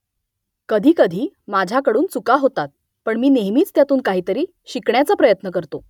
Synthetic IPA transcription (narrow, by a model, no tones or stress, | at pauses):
kəd̪ʱiːkəd̪ʱiː | mad͡ʑʱjakəɽuːnt͡sukaɦot̪at̪̚ | pəɳmiːneɦmiːt͡st̪jat̪uːnkaɦiːt̪əɾiː | ɕikɳjat͡səpɾəjət̪nəkəɾt̪o